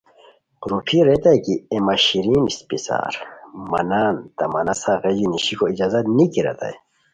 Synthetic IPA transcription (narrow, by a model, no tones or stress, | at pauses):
ɾupʰiɾet̪ajkiemaɕiɾiːnispisa̰ːɾmɐ̰naːnt̪ɐmɐnɐsaɣed͡ʑiniɕikoid͡ʑaːzɐt̪nikiɾɐ̰t̪a̰e